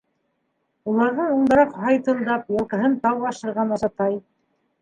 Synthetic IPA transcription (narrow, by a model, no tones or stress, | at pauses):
ulˠɑɾðɤɴuɴd̪ɑ̆ɾɑqhɑjt̪ɤ̆lˠd̪ɑpjɑlˠkɤ̆ɦɤnt̪ɑwɑʃɤ̆ɾʁɑnɑzɑt̪ɑj